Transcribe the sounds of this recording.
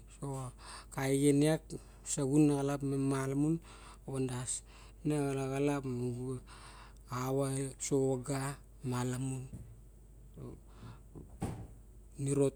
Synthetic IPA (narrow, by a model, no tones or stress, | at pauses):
sokajɡeniak | saɡunːaɣalapmamalamun | ondas | naɣalaɣalapmuɡu | awasoaɡa | malamun | o̰ | niɾo̞t